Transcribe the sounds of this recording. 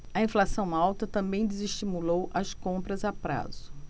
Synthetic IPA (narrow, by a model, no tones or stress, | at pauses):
ɐĩflasɐ̃w̃awt̪ɐt̪ɐ̃mbẽj̃d̪eziʃt͡ʃimulowʔɐskõmpɾɐzapɾa̰zʊ